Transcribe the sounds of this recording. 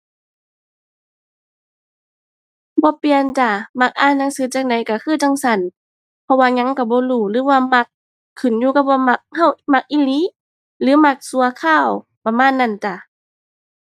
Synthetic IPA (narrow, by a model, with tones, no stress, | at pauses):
bɔː˧˦pi˧˨ə˨nt͡ɕa˧˩ma˧˩k̚ʔaː˧˨nːa˧˥˨ŋsɯː˨˦t͡ɕaː˧˩k̚ŋ̚da˨˦jka˧˩kʰɯː˧˥˨t̪a˧˨ŋsa˧˩˨n | pʰɔ˧waː˧ɲa˧˥˨ŋka˧˩bɔː˧˦luː˧˩lɯː˨˦waː˧˨ma˧˦kʰː | ɯ˨˩˨njuː˧˨kp̚waː˧˨ma˧˩k̚ha˧˩˨wma˧˦k̚ʔi˧˨liː˧˦˨ | lɯː˨˦ma˧˩k̚su˧˦ɐkʰaː˧˥˨w | pa˧maː˧˥˨nːa˧˨nt͡ɕa˧˩˨